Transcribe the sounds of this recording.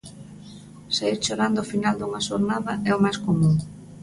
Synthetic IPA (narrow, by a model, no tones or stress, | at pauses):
saiɾt͡ʃoɾand̪ʊːfinald̪uŋɐʃoɾnaðɐʔɛʊmajskomũŋ